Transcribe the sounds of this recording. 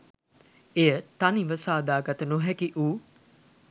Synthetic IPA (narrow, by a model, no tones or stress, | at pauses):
ejət̪aniʋəsaːd̪aːɡɐt̪ənoɦɛkiʔuː